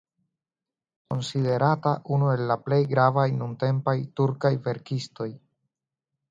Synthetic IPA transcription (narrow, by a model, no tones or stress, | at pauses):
ko̞nside̞ɾataʔunue̞lːaple̞jɡɾavajnunte̞mpajtuɾkajve̞ɾkisto̞j